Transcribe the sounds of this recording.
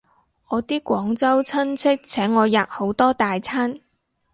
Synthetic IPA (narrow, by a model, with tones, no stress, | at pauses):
ŋɔː˨˧t̪iː˥kʷɔː˨˥ŋt͡sɐ˥wt͡sʰɐ˥nt͡sʰɪ˥k̚t͡sʰɛː˨˥ŋːɔː˨˧jaː˨˩k̚ho˨˥wt̪ɔː˥t̪aː˨jt͡sʰaː˥n